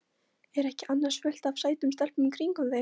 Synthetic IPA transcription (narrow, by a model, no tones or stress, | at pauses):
ɛɾɛhcɪʔanːḁsfœl̥t̪avsaːjt̪ʏmst̪al̥p̪ʏmikʰɾiŋkʏe